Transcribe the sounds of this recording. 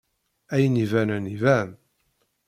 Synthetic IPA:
æjənivænənivæm

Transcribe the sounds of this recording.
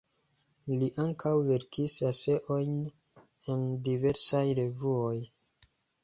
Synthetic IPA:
liʔaŋkʰawve̞ɾkʰisase̞ʔo̞jn | e̞ndive̞ɾsajɾe̞vuoj

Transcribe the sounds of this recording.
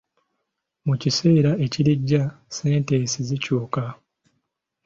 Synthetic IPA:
mucise̞ːɾae̞ciɾiɟːase̞ːnteːsizicuːka

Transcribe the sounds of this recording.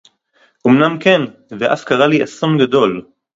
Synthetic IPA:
ʔumnamkenveʔa̰fkaʁaliʔa̰so̞nɡad̪o̞l

